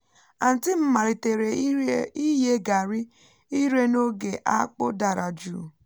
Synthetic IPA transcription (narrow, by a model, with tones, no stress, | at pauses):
a˨n̩˨tɪ˦m̩˦ma˨ɾi˨te˨ɾe˨˦i˦je˦ɡa˨ɾi˦ | i˦ɾe˦no˦ɡe˨ʔa˦k͡po̰˦da˨ɾa˨d͡ʒṵː˦˨